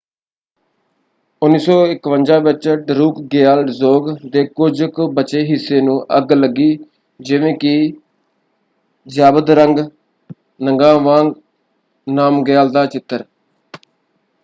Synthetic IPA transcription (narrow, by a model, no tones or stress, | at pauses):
ʊnːiːsɔːɪkʋənd͡ʒãːbɪt͡ʃəʈɾuːkɡeaːlɖzoːɡd̪eːkʊd͡ʒkbət͡ʃeːɦɪsːeːnũːʔəɡləɡːiː | d͡ʒɪʋẽːkɪ | d͡ʒaːbəd̪ɾəŋɡ | nəŋɡãːʋãːŋɡ | naːmɡejaːld̪aːt͡ʃɪt̪ːəɾ